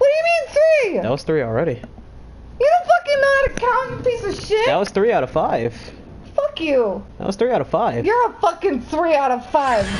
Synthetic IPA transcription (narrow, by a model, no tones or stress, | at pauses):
wʌt̚d̥ɨjɨmĩnθɹiðæ̰t̚wʌz̥θɹil̩ˠɹɛɾi | jəðəfʌkɪ̃nəɾɨkʰɑ̃npisʌ̥ʃɪtðæt̚wʌz̥θɹiaʊɾʌv̥faɪv̥ | fʌkjʉðæ̰ʔ̚wʌz̥θɹiaʊɾʌv̥faɪvjə˞əfʌkɪ̃ŋθɹiaʊɾʌv̥faɪv̥